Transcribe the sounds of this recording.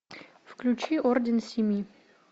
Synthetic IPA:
fklʲʉt͡ɕiʔordʲɪnsʲɪmʲi

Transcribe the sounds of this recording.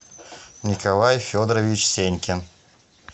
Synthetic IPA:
nʲikalˠajfʲod̪ɾəvʲit͡ɕsʲenʲkʲen

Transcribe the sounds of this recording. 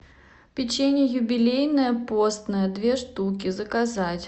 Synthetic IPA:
pʲɪt͡ɕenʲəjʊbʲɪlʲejnəjəpo̞st̪nəjəd̪vʲe̞ʂt̪uk̬ʲɪzəkɐzatʲ

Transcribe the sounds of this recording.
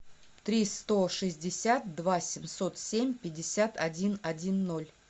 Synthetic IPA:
t̪ɾʲist̪o̞ʂɨzʲdʲɪsʲat̪̚d̪vasʲɪmʲso̞t̪sʲemʲpʲɪdʲːɪsʲat̪ɐdʲinɐdʲinːo̞lʲ

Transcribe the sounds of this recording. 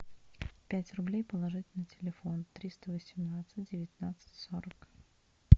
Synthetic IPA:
pʲætʲrʊblʲejpəlˠɐʐɨtʲɪlʲnɨjtʲɪlʲɪfo̞nt̪ɾʲist̪əvəsʲɪmnat̪sɨt̚ʲdʲɪvʲɪt̪ʲnat̪sɨ̥tʲsoɾək

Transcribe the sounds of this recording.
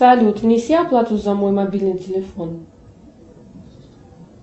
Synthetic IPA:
ɐlʲut̪vnʲɪsʲiɐplˠat̪ʊzɐmojmɐbʲilʲnɨjtʲɪlʲɪfon

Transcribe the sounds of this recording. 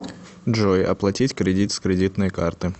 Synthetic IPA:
ʐojʔɐ̰plˠɐtʲitʲkɾʲɪdʲit̪skɾʲɪdʲit̪nɨjkart̪ɨ

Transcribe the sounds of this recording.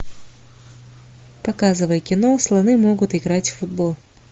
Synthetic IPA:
pɐkazɨvəjəkʲɪnoslˠɐnɨmoɡʊt̪ɪɡɾatʲfʊd̪̚bolˠ

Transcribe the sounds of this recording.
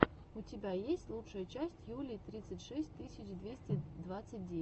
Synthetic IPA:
ʊtʲɪbʲajesʲtʲlˠutʂəjət͡ɕæsʲtʲjulʲit̪ɾʲit̪sɨtʲʂɛsʲt̚ʲt̪ɨsʲɪt͡ɕd̪vʲesʲtʲɪd̪vat̪sɨt̚ʲdʲe

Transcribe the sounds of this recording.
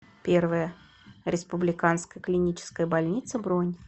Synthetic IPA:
pʲe̞rvəjə | ɾʲɪspʊblʲɪkanskəjəklʲɪnʲit͡ɕɪ̥skəjəbɐlʲnʲit̪səbɾonʲ

